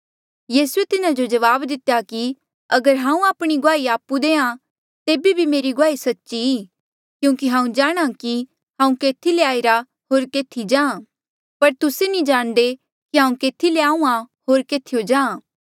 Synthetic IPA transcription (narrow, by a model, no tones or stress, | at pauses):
jiːsuet̪ɪnad͡ʒod͡ʒɐʋaːbd̪ɪt̪jaki | ɐɡəɾɦãːũaːpɽ̃iɡoaːiaːpːud̪eːã | t̪eːbibʱimeːɾiɡoaːisɐtːʃiiː | kjũːkiɦãːũd͡ʒaːɽ̃ãki | ɦãːũkeːt̪ʰileaːiɾa | ɦoːɾkeːt̪ʰid͡ʒãːã | pɐɾt̪ʊsenĩd͡ʒaːɽ̃d̪e | kiɦãːũkeːt̪ʰileaːũãɦoːɾkeːt̪ʰijod͡ʒãːãː